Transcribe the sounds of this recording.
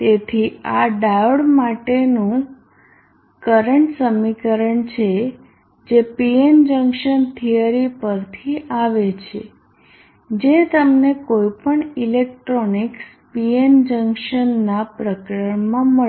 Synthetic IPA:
t̪et̪ʰiaɖauɽmaʈenũ | kəɾəɳʈsəmikəɾəɳt͡ʃʰe | d͡ʒepiend͡ʒə̃ŋkʃənt̪ʰijəɾipəɾt̪ʰiʔaʋet͡ʃʰḛ | d͡ʒet̪əmnekojpəɳilek̚ʈɾoniks | piend͡ʒəŋkʃənːapɾəkɾəɳmãmə

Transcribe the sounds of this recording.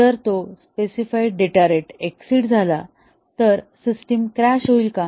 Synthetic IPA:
t̪əɾt̪ospesifaiɖeʈaɾeʈeksiːʈd͡zʱala | t̪əɾsisʈimkɾaɕɦoilka

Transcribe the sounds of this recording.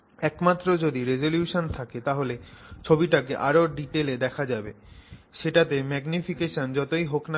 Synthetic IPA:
ɛkmat̪ːɾod͡ʑod̪iɾed͡ʑoljuʃont̪ʰaket̪aɦolet͡ɕʰobiʈakeʔaɾoɖiʈeled̪ɛkʰad͡ʑabe | ʃeʈat̪emɛɡnifʰikeʃond͡ʑɔt̪ojɦokna

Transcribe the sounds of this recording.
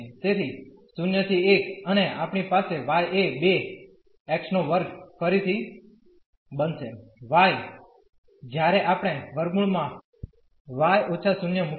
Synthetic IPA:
t̪et̪ʰisʊnjət̪ʰiekəneapɳ̃ipaseʋajʔebe | ɛkʃnoʋəɾɡfʰəɾit̪ʰi | bənʃeʋaj | d͡ʒjaɾɛʔapɽ̃eʋəɾɡuɭmã | ʋajot͡ʃʰasʊnjəmu

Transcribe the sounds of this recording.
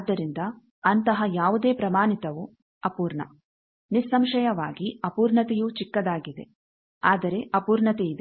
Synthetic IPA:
d̪ːɐɾind̪ɐ | ɐnt̪ɐɦɐjaːʋud̪e̞ːpɾɐmaːnit̪ɐʋu | ɐpuːɾɳɐ̰ | nisːɐmʃɐjɐʋaːɡiɐpuːɾɳɐt̪ɛjut͡ʃikːɐd̪aːɡid̪e̞̰ | aːd̪ɐɾe̞ʔɐpuːɾɳɐt̪ɛid̪e

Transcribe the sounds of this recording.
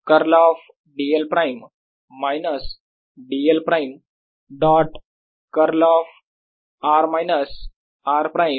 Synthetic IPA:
kɐɾlɔːf | ɖielpɾaɪm | maɪnəs | ɖielpɾaɪm | ɖɔːʈ | kəɾlɔːf | aːɾmajnəs | aːɾpɾaɪm

